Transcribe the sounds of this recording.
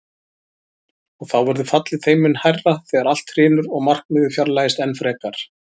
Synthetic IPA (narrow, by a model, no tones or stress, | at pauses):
ɔɣθawvɛɾðʏfat̪lɪθejmɪnhajrːaθɛːɣaɾal̥t̪hr̥ɪːnʏɾɔɣmar̥kmɪːðʏfjaɾlaːjɪst̪ɛnfɾɛːkaɾ̥